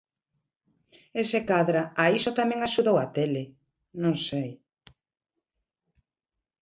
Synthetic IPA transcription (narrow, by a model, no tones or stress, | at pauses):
esekaðɾaaisot̪amɛ̃ŋaʃuðowat̪ele | nõŋsej